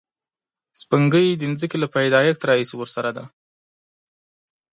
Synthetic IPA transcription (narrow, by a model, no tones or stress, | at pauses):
spəŋɡəjd̪ənzəkelapajd̪ɑjak̚t̪aɾɑhisiwəɾsaɾad̪a